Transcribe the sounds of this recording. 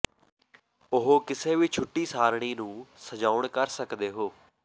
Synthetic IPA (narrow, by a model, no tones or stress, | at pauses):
ʊɦoːkɪseːʋiːt͡ʃʰʊʈːiːsaːɾɽ̃iːnũːsəd͡ʒaːʊɳkəɾsəkd̪eːɦoː